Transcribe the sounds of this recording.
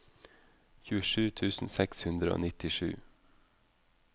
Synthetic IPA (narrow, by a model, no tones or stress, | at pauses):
çʉːəʃʉːt̪ʰʉːsn̩sɛkshʉnd̪ɾəo̰ːnɪt̪ɪʃʉ̰ː